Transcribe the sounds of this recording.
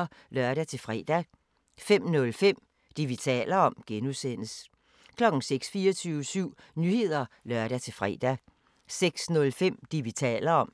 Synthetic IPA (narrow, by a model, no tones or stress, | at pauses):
lœɐɾ̥æt͡sʰe̝fʁɛ̰ːd̥æ | fem̰nɔ̽lfem̰ | d̥iʋit͡sʰɛ̰ːlɐɒ̽mɡ̥enusen̰əs | kʰlɒ̽ɡ̥ŋ̩seɡ̥sfiːɐt͡sʰyːʊəsyʊ̰ | nyhe̝ð̞̰ˠɐlɶɐɾ̥æt͡sʰe̝lfʁɛ̰ːd̥æ | seɡ̥snɔ̽lfem̰d̥iʋit͡sʰɛ̰ːlɐɒ̽m̰